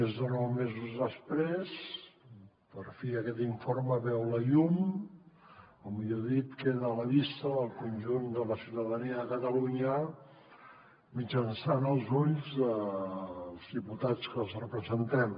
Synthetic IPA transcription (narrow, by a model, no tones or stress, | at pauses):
ezðənɔwmezuzðəspɾes | pəɾfeəkɛt̪iɱfoɾməβɛwləʎum | ɔmiʎoðit̪keðəːləlist̪əðəlˠkunʲʒund̪ələsiwt̪əðəniəðəkət̪əluɲə | mid͡ʒənsanəlˠzuʎzðə | lˠzðiput̪at͡skəlˠzrəpɾəzənt̪ɛm